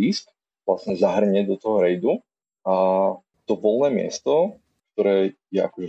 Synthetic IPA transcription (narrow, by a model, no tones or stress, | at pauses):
iːsk | ʋlasɲɛzaɦr̩ɲɛd̪ɔt̪ɔɦɔɾɛjd̪u | a | t̪ɔʋɔlˠnɛːmɪɛ̰st̪ɔ | k̚t̪ɔɾɛːjɛʔa̰kɔʒɛ